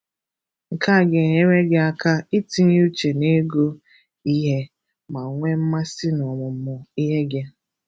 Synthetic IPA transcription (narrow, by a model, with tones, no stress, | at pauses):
ŋ̩˨ka˦˨ɡe˨ɲe˦me˦ɡe˦a˦ka˦i˦ti˦ɲ˦u˦t͡ʃe˨ne˦ɡo˦ | i˦ɦe˦ | ma˨ŋʷe˦m̩˦ma˦sɪ˦nɔ˨mʊ˨m̩˦mʊ˨i˦ɦe˦ɡe˦